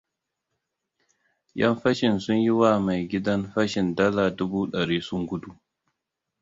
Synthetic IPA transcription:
jɐ˦mɸɐ˦ʃɪ˨nsʊ˦ɲjɪ˦waː˨ma˨jɡʲɪ˦dɐ˦nɸɐ˦ʃɪ˨ndɐ˦laː˨dʊ˦buː˦ɗɐ˨ɾiː˦sʊ˦ŋɡʷʊ˦du˦ʔ

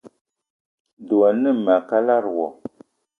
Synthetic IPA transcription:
du˨a˨nɨ˦˨ma˨ka˦la˦˨ɾwɔ˨

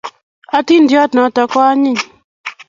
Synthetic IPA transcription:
a˨ti˦ndjɔ˦tnɔ˨˦tɔ˨kɔ˦a˦ɲɪ˦˨

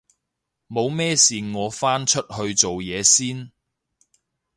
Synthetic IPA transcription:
mo˨˧wmɛː˥siː˨˩ŋɔː˨˧faː˥nt͡ʃʰɵ˥t̚hɵ˧ɥt͡so˨wjɛː˨˧siː˥n

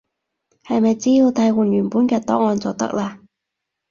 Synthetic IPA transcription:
hɐ˨jmɐ˨jt͡siː˥jiː˧wt̪ʰɐ˨˥jwuː˨˩nɥyː˨˩npuː˨˥nkɛː˧t̪ɔː˨˥ŋɔː˧nt͡sɔː˨˩t̪ɐ̰˥k̚laː˧

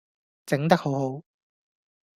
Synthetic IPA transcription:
t͡sɪ˨˥ŋt̪ɐ˥k̚ho˨˥wɦo˨˥w

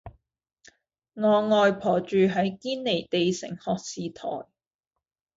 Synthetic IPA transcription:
ŋɔː˨˧ŋɔː˨˧jpʰɔː˨˩t͡ʃyː˨˧ɦɐ˨˥jkiː˥nːe˨˩jt̪e˨jsɪ̰˨˩ŋhɔː˨k̚siː˨t̪ʰɔ̰ː˨˩j

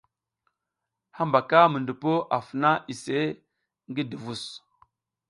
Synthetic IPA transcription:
ha˦mba˨ka˦mə˨ndu˨po˦ʔa˨fə˨na˦i˨se˦ | ŋɡi˦di˨vu˦s

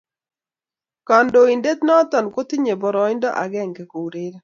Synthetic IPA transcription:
ka˨ndo˨i˨nde˦t̪nɔ˦t̪ɔ˨nko˦t̪i˦ɲe˨bɔ˨ɾɔ˨ɪ˦ndɔ˦ʔa̰˨ɡɛ˦˨ŋkɛ˨ko˨wɾe˦ɾe˦

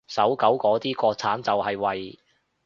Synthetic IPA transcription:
sɐ˨˥wkɐ˨˥wkɔː˨˥t̪iː˥kɔː˧t͡sʰaː˨˥nt͡sɐ˨whɐ˨jwɐ˨j

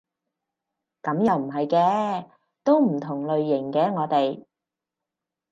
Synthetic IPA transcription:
kɐ˨˥mjɐ˨˧wm̩˨˩ɦɐ˨jkɛː˧ | t̪o˥wm̩˨˩t̪ʰʊ˨˩ŋlɵ˨ɥjɪ˨˩ŋkɛː˧˥ŋɔː˨˧t̪e˨j

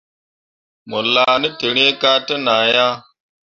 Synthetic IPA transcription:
mo˨la˨ni˦te˨ɾe˦ka˦te˦naː˨ja˦

